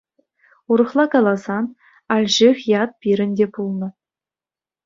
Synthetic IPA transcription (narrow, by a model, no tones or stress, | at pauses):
uɾɤ̆χlˠɑkɑlˠɑzɑn | ɑlʲʑixʲjɑt̪̚pʲiɾʲɘ̆nʲdʲepulˠnɤ̆